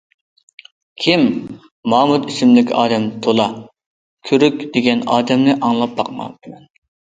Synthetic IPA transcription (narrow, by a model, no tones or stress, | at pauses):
kʲʰim | mɑːmut̪isɪmlɪkʲɑ̰ːd̪ɛmt̪ʰolˠɑ | kʲʰyɾykʲd̪̥eɡʲɛnɑːd̪ɛmnɨʔɑŋlˠɑp̚bɑq̚mɑ̰d̪mɛn